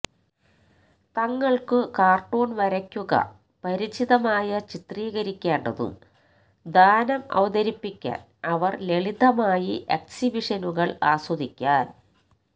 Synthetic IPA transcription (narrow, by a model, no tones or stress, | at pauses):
t̪ɐŋːɐɭkɨkaːrʈoːnʋɐɾɐkʲːuɣɐ̰ | pɐɾit͡ɕiðɐmaːjɐt͡ɕit̪riːɣɐɾikʲːeːɳɖɐðṵm | d̪aːnɐmɐ̰ʋɐd̪ɐɾipːikʲːa̰ːn | ɐʋɐrleɭid̪ʱɐmaːjiʔeksibiʂɐnuɣɐɭaːswɐd̪ikʲːaːn